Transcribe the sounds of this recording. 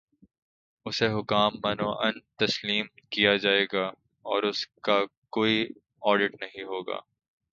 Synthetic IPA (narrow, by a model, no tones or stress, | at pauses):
ʊseɦʊkaːmːɐnoːʔɐnt̪ɐsliːmkijad͡ʒaːeːɡa | ɔːɾʊskakoːi | ɔːɾɖɪʈnɐɦĩɦoːɡa̰ː